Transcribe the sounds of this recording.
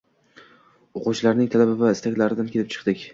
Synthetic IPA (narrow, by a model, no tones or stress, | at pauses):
oqʊt͡ʃʰlaɾnɪŋt̪ʰalabɪvaɪst̪ʰakʲlaɾɪd̪ankʲʰe̞lɪp̚t͡ʃʰɨ̥qd̪̥ɪkʲ